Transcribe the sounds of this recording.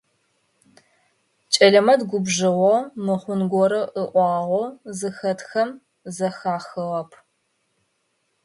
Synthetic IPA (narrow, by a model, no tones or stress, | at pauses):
t͡ʃʼɐɮɐmɐdɡʷʊbʒɨʁʷɔmɨχʷʊnɡʷɔɾɐʔəʔʷɑːʁʷɔzɨxɐtxɐm | zɐxaːxɨʁɐpʰ